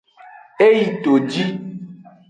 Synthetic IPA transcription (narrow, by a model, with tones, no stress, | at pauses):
e˦ji˨to˨d͡ʒi˦